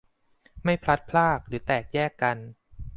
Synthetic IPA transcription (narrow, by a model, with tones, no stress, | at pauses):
ma˥˩jpʰla˦˥t̪̚pʰlaː˥˩k̚ɾɯː˩˦t̪ɛː˨˩k̚jɛː˥˩kːa˧n